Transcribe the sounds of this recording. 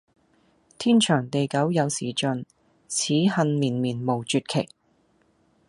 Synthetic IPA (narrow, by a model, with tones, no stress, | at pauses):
t̪ʰiː˥nt͡ʃʰœː˨˩ŋt̪e˨jkɐ˨˥wjɐ˨˧wsiː˨˩t͡ʃɵ˨n | t͡sʰiː˨˥hɐ˧nmiː˨˩nmiː˨˩nmo˨˩wt͡ʃyː˧t̚kʰe˨˩j